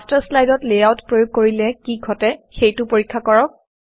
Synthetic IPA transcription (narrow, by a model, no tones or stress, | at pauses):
staslajdɔtlejawtpɹojuɡ̚koɹilɛkiɡʱɔtɛxejtʊpoɹikʰːakɔɹɔk̚